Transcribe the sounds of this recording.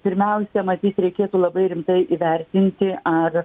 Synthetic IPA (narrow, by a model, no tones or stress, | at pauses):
pʲɪɾʲmʲɛʊsʲɛmɐt̪ʲiːt̪ɾʲɛɪkʲeːt̪uːlˠɐbɐɪɾʲɪmt̪ɐɪʔiːʋʲɛɾʲt̪ʲɪnʲt̪ʲɪʔɐr